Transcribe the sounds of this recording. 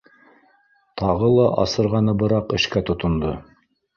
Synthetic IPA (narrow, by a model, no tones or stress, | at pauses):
t̪ʰɑʁɤlˠɑʔɑsɤ̆ɾʁɑnɤbɤ̆ɾɑqɘ̆ʃkæt̪ŏt̪ŏnd̪ɤ